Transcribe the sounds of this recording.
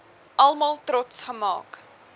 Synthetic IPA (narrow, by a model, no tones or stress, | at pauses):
ʔɐlˠmɑːlˠtrɔtsχəmɑ̰ːk